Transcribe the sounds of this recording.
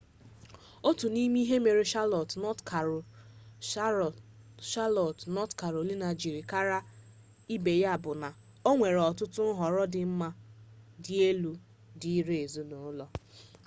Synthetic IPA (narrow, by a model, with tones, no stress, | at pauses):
o˦tu˨ni˦mi˦ɦe˦me˨ɾi˦ʃa˦lɔ˨tnɔ˦tka˨ | ʃa˦lɔ˨tnɔ˦tka˨ɾo˨li˦na˨d͡ʒi˨ɾi˨ka˦ɾa˦ | i˦be˨ja˦˨bʊ˨na˨ | o˦ŋʷe˨ɾɔ˨tʊ˦tʊ˦n̩˦ɦɔ˨ɾɔ˦dɪ˨m̩˦ma˦dɪ˦e˦lu˦ | di˦ɾe˦e˨zu˦no˨˦lɔ˦